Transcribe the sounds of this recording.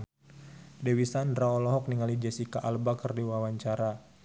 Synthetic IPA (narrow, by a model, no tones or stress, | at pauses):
dewisandɾaɔlɔɦɔk̚niŋalid͡ʒɛsikaʔalbakərdiwawaɲt͡ʃaɾa